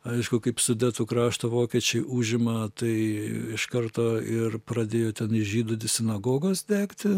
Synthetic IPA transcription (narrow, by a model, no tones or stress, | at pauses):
ɐɪʃkʊkɐɪpsʊd̪ʲæːt̪ʊkɾɑːʃt̪oʋoːkʲɛt͡ʃʲɛɪʔuːʒʲɪmɐt̪ɐɪɪʃkɐrt̪oːɪrpɾɐd̪ʲeːjoːt̪ʲɛnɪʒʲiːd̪ʊd̪ʲɪsʲɪnɐɡoːɡosd̪ʲæːkt̪ʲɪ